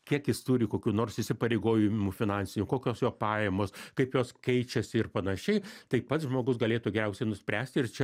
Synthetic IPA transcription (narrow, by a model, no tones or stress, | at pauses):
kʲiɛkjɪst̪uːɾʲɪkoːkʲuːnoːrsɪsʲɪpɐɾʲɛɪɡoːjɪmufʲɪnɑnʲsʲɪnʲuːkoːkʲoːsjoːpɑːjɛmoːskɐɪpjoːskʲɛɪt͡ʃʲɛsʲɪɪrpɐnɐʃʲɛɪt̪ɐɪpɐt̪sʒmoːɡʊs̬ɡɐlʲeːt̪uːɡʲɛɾʲɛʊsʲɛɪnʊsʲpʲɾʲæːsʲt̪ʲɪɪrt͡ʃʲɛ